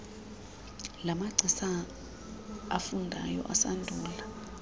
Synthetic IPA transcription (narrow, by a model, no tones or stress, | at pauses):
lamaɡ͡ǀʱisa | afundʱa̰jɔ̰ʔasandʱuːla